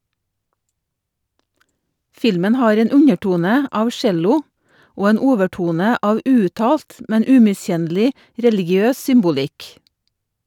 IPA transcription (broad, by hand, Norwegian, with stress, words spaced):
ˈfɪlmən ˈhɑːɾ ˈeːn ˈʉɲəˌʈuːnə ˈɑːʋ ˈʃɛlʊ ˈoː ˈeːn ˈuːʋəˌʈuːnə ˈɑːʋ ˈʉːʉˌtɑːlt ˈmɛn ˈʉːmɪˌsçɛnlɪ ˈɾɛlɪɡɪˌøːs ˈsʏmbʊˌlɪk